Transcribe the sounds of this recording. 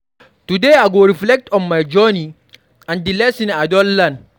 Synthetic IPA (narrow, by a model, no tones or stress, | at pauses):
tudeaɡoɾiflɛk̚tɔnmajd͡ʒɔni | ãndilɛsinadɔlːan